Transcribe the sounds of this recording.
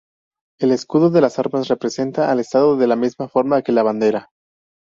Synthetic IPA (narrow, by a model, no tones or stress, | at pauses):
e̞le̞skuðo̞ðe̞lasaɾmasre̞pɾe̞se̞nt̪aʔːle̞st̪aðoðe̞lamizmafo̞ɾmake̞laβand̪e̞ɾa